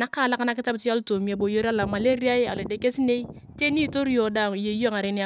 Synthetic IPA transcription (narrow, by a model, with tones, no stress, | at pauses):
na˦ka˦˨la˦ka˦na˦kɪ˦ta˦bti˦a˦lto˨mi˨a˨bo˨jo˦ɾa˦la˨ma˨le˦ɾi˦a˦ja̰˨lo˨de˨ke˦si˦ne˦i˦ | te˦ni˦˨to˦ɾi˦jo˨da˨ŋ˨je˨˦o˦˨ŋa˨ɾe˨˦ni˦˨